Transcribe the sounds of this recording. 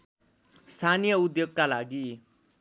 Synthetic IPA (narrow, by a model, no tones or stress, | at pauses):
st̪ʰanijʌud̪joɡkalaɡi